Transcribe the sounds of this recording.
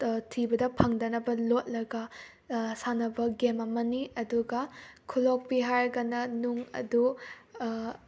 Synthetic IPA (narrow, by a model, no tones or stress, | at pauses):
tʰibɐdɐpʰɐŋdɐnɐbɐlot̚lɐɡɐ | sanɐbɐɡemɐmɐniɐduɡɐkʰulok̚piɦaɾɡɐnɐnuŋɐ̰du